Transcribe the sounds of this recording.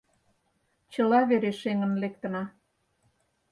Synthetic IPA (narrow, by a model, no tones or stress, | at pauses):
t͡ɕə̆lɑβeɾeʃeŋə̆nlek̚t̪ə̆nɑ